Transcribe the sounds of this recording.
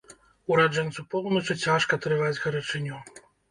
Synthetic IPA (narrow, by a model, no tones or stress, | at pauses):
uɾaʐɛnt̪supɔlˠnɐt͡ʂɨt͡sʲaʂkɐt̪ɾɨvad͡zʲɣɐɾɐt͡ʂɨnʲɔ